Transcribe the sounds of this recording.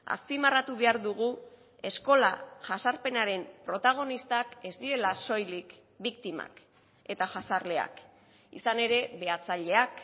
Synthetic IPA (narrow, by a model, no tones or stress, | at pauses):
a̰spimarat̪uβe̞aɾðuɣ̞u | e̞sko̞laʝasaɾpe̞naɾe̞mpɾo̞t̪aɣ̞o̞nist̪ake̞zd̪iɾe̞laso̞jlik | bikt̪ima̰k | e̞t̪aʝasarle̞a̰k | ḭsane̞ɾe̞βe̞at͡saʎe̞ak